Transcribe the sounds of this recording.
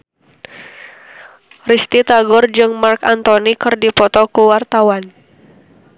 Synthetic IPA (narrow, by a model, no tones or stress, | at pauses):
rist̪it̪aɡɔrd͡ʒɨŋmarkant̪ɔnikɨrdipɔt̪ɔkuwart̪awan